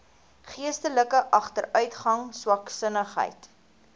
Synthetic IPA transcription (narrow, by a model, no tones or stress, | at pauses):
χiəstələkəʔɐχtəɾœɥtχɐŋswɐksənəχɦə̰jt